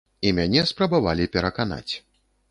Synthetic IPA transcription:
imʲanʲɛspɾɐbavalʲipʲɛɾɐkan̪a̰t͡sʲ

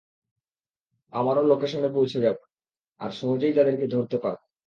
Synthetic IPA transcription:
amaɾolokeʃɔŋɡep̬owt͡ɕʰeɡɛb | a̰ɾʃɔɦod͡ʑaijt̪ad̪eɾked̪ʱoɾt̪epaɾ

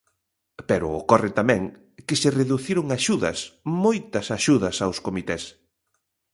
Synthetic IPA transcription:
peɾʊ̰okɔrɪt̪amɛ̃ŋ | kɪsereðuθiɾʊŋaʃuðɐ̰smojt̪ɐsaʃuðɐsawskomit̪ɛs

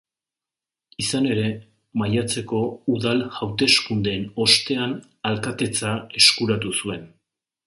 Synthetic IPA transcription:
isane̞ɾe̞ | majat͡se̞ko̞uðalhawt̪e̞skund̪e̞ːno̞st̪e̞an | alkat̪e̞t͡sae̞skuɾat̪̬usue̞n

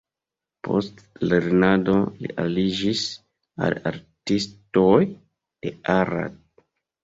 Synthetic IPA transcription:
pʰostleɾnadolḭʔalid͡ʒis | a̰laɾtistoj | d̥e̞aɾa̰d̚

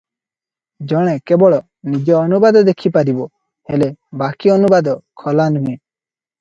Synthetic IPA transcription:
d͡ʒɔɽ̃ɛkebɔɭɔ | nid͡ʒɔːnubad̪ɔd̪ekʰipaɾibɔ | helebakiɔnubad̪ɔkʰɔlanuẽ

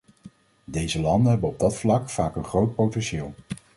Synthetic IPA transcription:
dejzəlɑndənɦɛbənɔb̚dɑtflɑkfaːkənχrowt̚powtɛnʃɪːlˠ

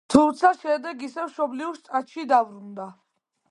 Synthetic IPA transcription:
t̪ʰumt̪sʰaʃɛd̪ɛɡisɛvʃɔbliust̪sʼat̪ʃid̪avɾund̪a

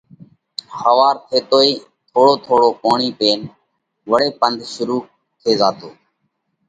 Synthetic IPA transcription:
həʋaːɾt̪ʰeːt̪oːiː | t̪ʰoːɽoːt̪ʰoːɽoːʔoːɳiːpeːn | ʋəɽeːpənd̪ʱʃʊɾuː | t̪ʰeːzaːt̪oː

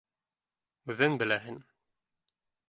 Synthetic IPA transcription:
ʉðɘnbɘ̆læɦɘn

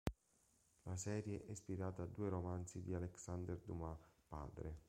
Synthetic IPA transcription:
lasɛːɾjeʔɛspiɾaːt̪aːd̪ːuːeɾomant̪sid̪ialeksand̪erd̪umapa̰ːd̪ɾe

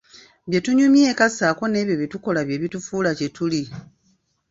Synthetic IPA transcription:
βje̞tuɲumjeːkasaːko̞ne̞ːβjo̞βituko̞laβje̞βitufuːlace̞tuli

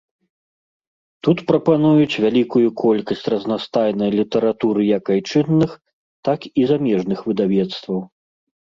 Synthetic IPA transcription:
t̪ut̪pɾɐpanujut͡sʲvʲalʲikujukʰɔlʲkɐsʲt͡sʲrɐznast̪ajnɐjlʲit̪ɛɾat̪uɾɨjɐkajt͡ʂɨnːɨx | t̪akizamʲɛʐnɨxvɨd̪avʲɛt̪st̪vɐw

